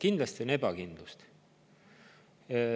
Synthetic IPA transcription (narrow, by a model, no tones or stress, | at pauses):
kind̪lɑst̪ione̞bɑkind̪̥lust̪